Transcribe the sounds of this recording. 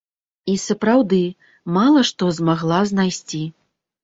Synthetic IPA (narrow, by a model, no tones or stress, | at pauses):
isɐpɾawd̪ɨ | malˠɐʂt̪ɔzmaɣlˠaznajsʲt͡sʲi